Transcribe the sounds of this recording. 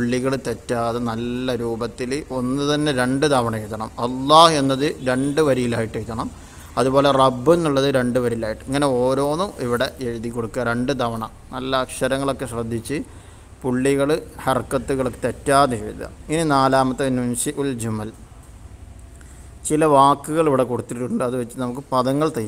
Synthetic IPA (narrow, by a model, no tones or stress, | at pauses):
puɭːiɣɐɭt̪etːaːðenɐlːɐɾuːbɐt̪ːilo̞nːɨt̪ɐnːeɾe̞ɳɖɨd̪ʱɐʋɐɳɐejt̪ːɐɳɐmɐlːɑːhe̞nːɐðɨɾe̞ɳɖɨʋɐɾijilaːjiʈːejit̪ːɐɳɐm | ɐðubo̞ːle̞rɐbːenːuɭːɐðɨɾe̞ɳɖɨʋɐɾijilaːjiʈːɨɐŋːɐne̞o̞ːɾo̞ːnumiʋiɽe̞ʔeɻuðikʲːoɽukːɐɾe̞ɳɖɨd̪ʱɐʋɐɳɐ̰mnɐlːɐːkʂɐɾɐŋːɐɭo̞kːeɕrɐd̪ʱːit͡ɕːɨ | puɭːiɣɐɭhɐrkːɐt̪ːuɣɐɭokːet̪etːaːnieid̪ɐ̰ininaːlaːmɐt̪ːɐnunsiʔuld͡ʑumɐl | t͡ɕilɐʋaːkːuɣɐɭiʋiɽe̞koɽut̪ːiʈːuɳɖɨɐðɨʋet͡ɕːɨnɐmuk̬ːɨpɐðɐŋːɐɭt̪ɐj